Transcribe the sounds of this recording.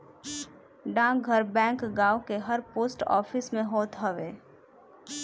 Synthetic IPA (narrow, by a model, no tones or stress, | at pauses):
ɖãːɡʱəɾbɛ̃ːŋkɡaːokeɦɐɾpoːsʈɔ̰ːfɪsmẽɦoːt̪ɦəʋeː